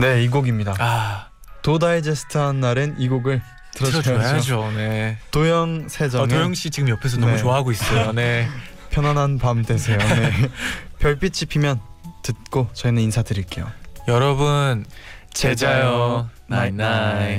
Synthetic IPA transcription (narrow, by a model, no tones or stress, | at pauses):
ne̞iɡoɡimɲidaa | todaid͡ʑesʰɯ̥tʰɯɦanːaɾɯniɡoɡɯɭ | tɯɾʌod͡ʑone̞tojʌŋsʰe̞d͡ʑʌtojʌŋɕ͈it͡ɕiɡɯmjʌpʰes̬ʰʌnʌmut͡ɕoaɦaɡois͈ʌjone̞ | pʰjʌnwanɦanpamte̞sʰe̞jonepjʌɭp͈it͡ɕ͈ipʰimjʌntɯt̚k͈ot͡ɕʌinɯninsʰadɯɾiɭk͈e̞jo̰jʌɾʌbɯnt͡ɕed͡ʑajʌ | nan